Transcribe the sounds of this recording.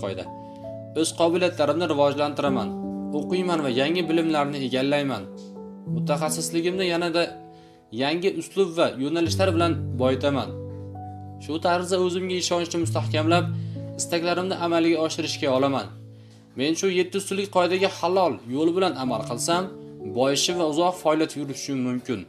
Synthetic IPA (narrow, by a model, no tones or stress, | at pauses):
qjd̪a̰ | ɵz̥qʰɒbɪlijat̪ʰlaɾɪmnɪɾɪvɒd͡ʒlant̪ʰɪɾama̰noqɨjmanvajaŋɪbɪlɪmlaɾnɪe̞ɡʲalːajman | mʊt̪ʰaχasːɪslɪɡʲɪmnɪjanad̪a | jaŋʲɪʔʊslʊbvajonalɪʃlaɾbɪlanbɒjɪt̪ʰama̰n | ʃʊt̪ʰaɾzaɵzɪmɡʲaɪʃɒnʃnɪmʊst̪ʰahkʲamlap̚ɪst̪akʲlaɾɪmnɪʔamalɡʲaɒʃɪɾɪʃkʲaɒlˠaman | me̞nʃʊje̞t̪ːɪst̪ʊlːɪk̚ʲqʰɒjɪd̪aɡʲahalˠɒlˠjolˠɪbɪlanamalˠqʰɨlˠsambɒjɪʃɪvaʊzɒqfɒljat̪ʰjʊɾɪʃɪmmːʊmkʲɪn